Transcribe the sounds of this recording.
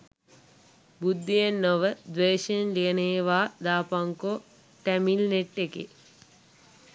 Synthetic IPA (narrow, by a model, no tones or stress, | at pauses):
bud̪ːijenːoʋəd̪ʋeːʃnliəneːʋaːd̪aːpaŋko | ʈæmilneʈːekḛ